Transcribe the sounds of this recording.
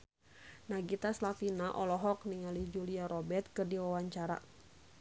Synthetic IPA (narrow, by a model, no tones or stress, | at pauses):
naɡit̪aslafinaʔɔlɔɦɔk̚niŋalid͡ʒuliaɾɔbɛrt̪̚kɨrdiwawaɲt͡ʃaɾa̰